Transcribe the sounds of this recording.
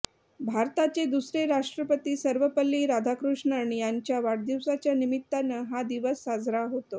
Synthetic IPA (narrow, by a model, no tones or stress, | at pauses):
bʱaɾt̪at͡sed̪usɾeɾaʂʈɾəpət̪iːsəɾʋəpəlːiːɾad̪ʱakɾuʂɳəɳ̃ijaɲt͡ɕjaʋaɽd̪iwsat͡ɕjanimit̪ːanəɦad̪iʋəsːad͡zɾaɦot̪o